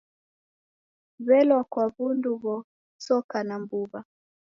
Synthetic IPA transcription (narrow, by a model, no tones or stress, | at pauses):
βɛlwakwaβunduβɔ | sɔkanambuβa